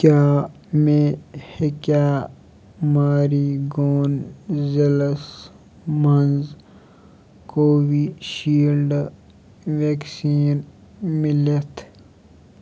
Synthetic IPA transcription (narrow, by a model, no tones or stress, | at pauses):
kjaː | mẽhekjaː | maːɾiɡoːnzeləs | mɐnz | koːwiʃiːlɖ | ʋeːksiːn | mɪlet̪ʰ